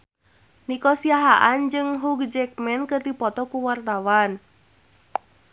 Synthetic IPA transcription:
nikɔsiaɦaʔand͡ʒɨŋɦuɡd͡ʒɛk̚mɛnkərdipɔt̪ɔkuwart̪awan

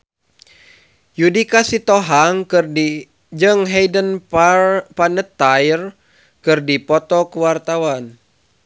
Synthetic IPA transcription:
judikasit̪ɔɦaŋkɨrdi | d͡ʒɨŋɦejdən | panət̪ːajr | kɨrdipɔt̪ɔkuwart̪awan

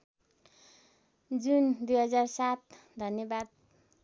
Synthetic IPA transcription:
d͡zund̪ujɦʌd͡zarsat̪̚ | d̪ʱʌnjʌbad̪̚

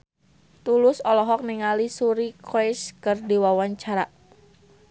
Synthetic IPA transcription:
t̪ulʊsɔlɔɦɔk̚niŋalisuɾikʰɛskərdiwawaɲt͡ʃaɾaʔ

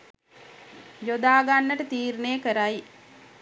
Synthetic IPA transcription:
d͡ʒod̪aːɡanːəʈət̪iːɾnəjəkəɾaj

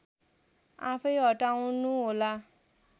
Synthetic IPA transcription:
a̰pʰʌjɦʌʈaũnuɦola

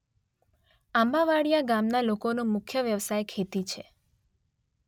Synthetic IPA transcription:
ambaʋaɽijaɡamnalokonũmʊkʰjəʋjəʋsajkʰet̪it͡ʃʰe

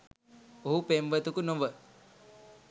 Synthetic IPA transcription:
oɦupemʋət̪ukunoʋə

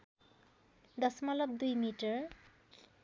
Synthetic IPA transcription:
d̪ɔsmɔlɔp̚d̪ujmiʈəɹ

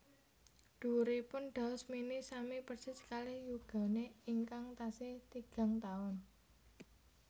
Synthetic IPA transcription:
ɖ̪̥ṳɾipʊnɖ̪̥a̤ʊsminisamipərsɪskalɪhjuɡ̥a̤neiŋkaŋt̪asɪht̪iɡ̥a̤ŋt̪aʊn

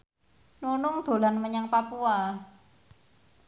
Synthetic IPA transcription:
nunʊŋd̪̥o̤lanməɲaŋpapua

